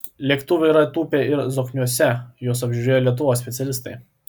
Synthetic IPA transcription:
lʲiɛkt̪ʊʋʲɛiɾɐt̪uːpʲeɪɾzoknʲuɔsʲɛjoːs̬ɐbʲʒʲʊɾʲeːjoːlʲiɛt̪̬ʊʋoːssʲpʲɛt̪sʲɛlʲɪst̪ɐɪ

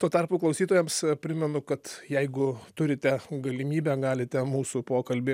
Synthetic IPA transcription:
t̪uɔt̪ɐrpuːklˠɐʊsʲiːt̪oːjɛmspʲɾʲɪmʲɛnʊkɐt̪jɛɪɡʊt̪ʊɾʲɪt̪ʲɛɡɐlʲɪmʲiːbʲæɡɑːlʲɪt̪ʲɛmuːsupoːkɐlʲbʲɪ

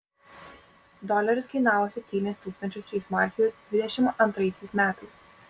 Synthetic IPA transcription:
d̪ɔlʲɛɾʲɪskɐɪnɑːʋoːsʲɛpʲt̪ʲiːnʲɛst̪uːkst̪ɐnʲt͡ʃʲʊst̪ɾʲiɪsmɑˑɾʲxʲɪjud̪ʲʋʲɪd̪ʲɛʃʲɪmʔɐnt̪ɾɐɪsʲɛɪsmʲæːt̪ɐɪs

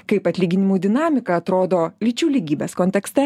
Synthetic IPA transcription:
kɐɪpɐt̪ʲlʲiːɡʲɪnʲɪmuːd̪ʲɪnɑːmʲɪkɐɐt̪ɾoːd̪oːlʲɪt͡ʃʲuːlʲiːɡʲiːbʲeːskoːnʲt̪ʲɛksʲt̪ʲɛ

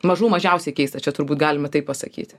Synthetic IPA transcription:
mɐʒuːmɐʒʲɛʊsʲɛɪkʲɛɪst̪ɐt͡ʃʲɛt̪ʊɾbuːt̪ɡɑːlʲɪmɐt̪ɐɪpɐsɐ̰kʲḭːt̪ʲ

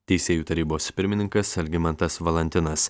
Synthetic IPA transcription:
t̪ʲɛɪsʲeːjuːt̪ɐɾʲiːboːspʲɪɾʲmʲɪnʲɪŋkɐsɐlʲɡʲɪmɐnt̪ɐsʋɐlʲˠɛnʲt̪ʲɪnɐs

